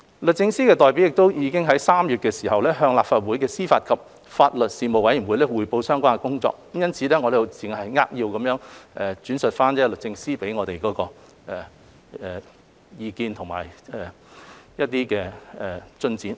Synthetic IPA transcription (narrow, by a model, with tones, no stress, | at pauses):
lɵ˨t̚t͡sɪ˥˧ŋsiː˥kɛː˧t̪ɔː˨jp̬i˨˥wjɪ˨k̚t̪o˥wjiː˨˧kɪ˥ŋɦɐ˨˥jsaː˥mjyː˨t̚kɛː˧siː˨˩ɦɐ˨wlɛː˥ɦœː˧ŋlaː˨pfaː˨t̚wuː˨˥jkɛː˧siː˥faː˧t̚kʰɐ˨p̚ | faː˧t̚lɵ˨t̚siː˨mo˨wɐ˨˥jnwuː˨˧jlɛː˥wuː˨˧jpo˧wsœː˥ŋkʷaː˥ŋkɛː˨kʊ˥ŋt͡sɔ̰ː˧k̚jɐ˥nt͡sʰiː˨˧lɛː˥ŋɔː˨˧ɾjʊ˨˧t͡sɪ˨˩ŋhɐ˨jŋaː˥k̚jiː˧wkɐ˨˧˥mjœː˨˥ŋʔɛː˨t͡syː˨˥nsɵ˨t̚faː˥nt͡sɛː˥lɵ˨k̚t͡sɪ˧ŋsiː˥pe˨˥jŋɔː˨˧t̪e˨jkɔː˨˧˥kɔː˧ | ɛː˨˩ | ɛ˨ | jiː˧kiː˧nt̪ʰʊ˨˩ŋma̰ː˨˩jɛ˨ | jɐ˥t̚t̪iː˥kɛː˧ɛ˨˩t͡sɵ˥nt͡siː˨˥n